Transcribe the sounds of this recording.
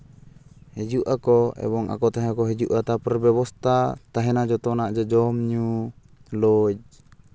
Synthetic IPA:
hɛd͡ʒuʔakɔɛ̰bɔŋa̰kɔt̪aɦɛakɔɦid͡ʒuʔat̪apərbɛβɔst̪at̪aɦɛnad͡ʒɔt̪ɔnad͡ʒəd͡ʒɔmɲu | lɔd͡ʒ

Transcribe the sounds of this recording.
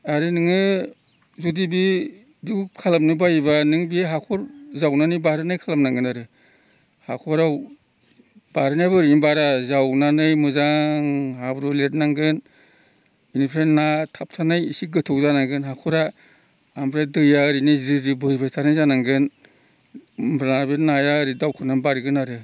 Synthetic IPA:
aɾɯnɯŋɯ | zudibi | diwkʰalamnɯbajbanɯŋbiɦakʰɔɾzawnanɯjbaɾɯnajkʰalamnaŋɡɯnaɾɯ | hakʰɔɾaw | b̥aɾɯnajbɯɾiibaɾazawnanɯjmuzaŋɦabɾulet̚naŋɡɯn | inipʰɾenatʰap̚tʰanajisiɡɯtʰɔwzanaɡɯnɦakʰɔɾa | ambʰɾadɯjaɾinizɾiɾibɯjbajtʰanajzanaŋɡɯn | bɾabeɾnajaɾidawkʰɯnabaɾɡɯnaɾɯ

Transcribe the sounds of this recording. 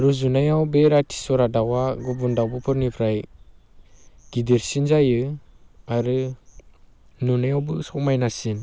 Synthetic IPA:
ɾɯzunajawbeɾatʰi̥sɔɾadawaɡɔbundawbɯpʰɯɾnipʰɾaj | ɡ̥ideɾsinzajɯ | aɾɯ | nunajawbɯsɔmajnasin

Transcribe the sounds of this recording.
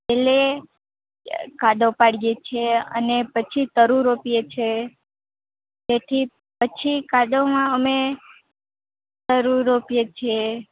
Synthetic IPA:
pele | kaɖ̪opaɽijet͡ʃʰeə̰nepət͡ʃʰit̪əɾuɾopijet͡ʃʰe | d͡ʒet̪ʰi | pət͡ʃʰikaɖ̪omãəme | t̪əɾuɾopijet͡ʃʰe

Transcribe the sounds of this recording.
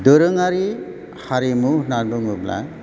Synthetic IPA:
d̪ɯɾɯŋaɾi | haɾimuhnaduŋɯbla̰

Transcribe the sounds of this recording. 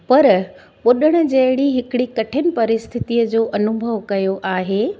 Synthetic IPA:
pɐɾ | ɓoɗəɽ̃ʊ̆d͡ʑɐɦɪɽiɦɪkɪɽikɐʈʰɪnɪ̆pɐɾɪst̪ʰɪt̪ijəd͡ʑoːʔɐnʊbʱəʋkɐjoʔaːɦeː

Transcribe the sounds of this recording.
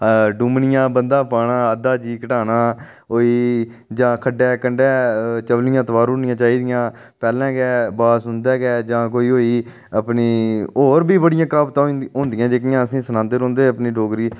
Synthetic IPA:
ɖuːmnɪjãːbənd̪ãːpaːɳãːəd̪aːd͡ʒiːkəʈaːnaː | oːiː | d͡ʒãːkʰəɖɛːkəɳɖɛːt͡ʃəʋlɪjãːt̪əʋaːɾɦʊ̃ːnɪjãːt͡ʃaːiːd̪ɪjãː | pɛːlɛ̃ːɡɛːbaːsɦʊnd̪ɛːɡɛːd͡ʒãːk̬oːiːɦoːiː | əpniːoːɾbiːbəɽɪjãːkaːbt̪ãːɦõːnd̪ɪjãːd͡ʒeːk̬ɪjãːəsĩːsənãːnd̪əɾõːnd̪eːəpniːɖoːɡɾiː

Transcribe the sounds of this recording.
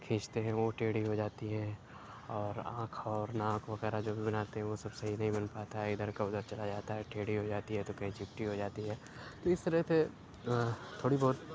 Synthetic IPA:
kʰẽːt͡ʃt̪eɦɛ̃ʋoʈeːɽiɦod͡ʒaːt̪iɦɛ̃ | ɔːɾã̰ːkʰɔːɾnãːkʰʋɐɣɛːɾad͡ʒoːbʱibɐnaːt̪eɦɛ̃ʋosɐbsɐɦinɐɦĩbɐnpaːt̪aɦɛɪd̪əɾkaʊd̪əɾt͡ʃɐlad͡ʒaːt̪aɦɛʈʰeːɽiɦod͡ʒaːt̪iɦɛt̪okɐɦĩt͡ʃɪp̚ʈiɦod͡ʒaːt̪iɦɛː | t̪oɪst̪əɾəse | t̪ʰːoːɽibɔːt̪

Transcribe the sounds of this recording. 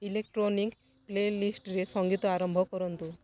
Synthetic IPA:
ilek̚ʈɾonik | plelisʈɾesɔŋɡit̪ɔaɾɔmbʱɔkɔɾɔnt̪u

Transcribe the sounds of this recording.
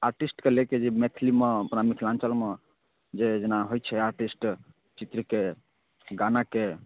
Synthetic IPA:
aɾʈisʈkeleked͡ʒemet̪ʰilimeəpnamikʰilãnt͡ʃəlme | d͡ʒed͡ʒenaɦojt͡ʃʰɛaɾʈisʈ | t͡ʃit̪ɾike | ɡanake

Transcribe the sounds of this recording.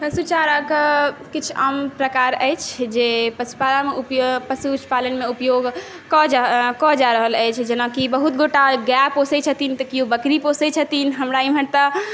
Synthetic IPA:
pəsut͡ʃaɾəkkit͡ʃʰəmpɾəkaɾəjt͡ʃʰd͡ʒepəsu̥palameupjpəsut͡ʃpalənmeupjoɡ | kɔkɔd͡ʒaɾəɦələjt͡ʃʰd͡ʒənakibəɦut̪̚ɡoʈaɡaposɛt͡ʃʰət̪int̪əkijobəkɾiposɛt͡ʃʰət̪inɦəmɾaimɦəɽt̪ə

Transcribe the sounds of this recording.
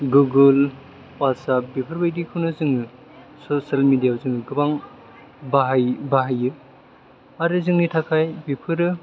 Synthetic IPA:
ɡuɡɯl | wat̚sap̚bipʰɯɾbajdikʰɯnɯzɯŋɯ | sosalmidijazɯŋɯɡɯbaŋ | baɦbaɦajɯ | aɾɯzɯŋnitʰakʰajbipʰɯɾɯ

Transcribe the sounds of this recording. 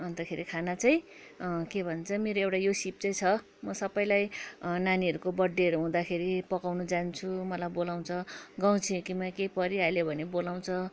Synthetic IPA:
ʌnt̪ʌkʰeɾikʰanat͡saj̃ | kebʱʌnt͡sʰʌmeɾoewʈajosip̚t͡sʌj̃t͡sʰʌ | mʌsʌpʌjlajnaniʌɾukobʌɖːeʌɾuɦũd̪akʰeɾipʌkawnud͡zant͡sʰumʌlajbolaw̃t͡sʰʌɡaw̃t͡sʰĩkimakepʌɾiɦajlebʱʌnebolaw̃t͡sʰʌ

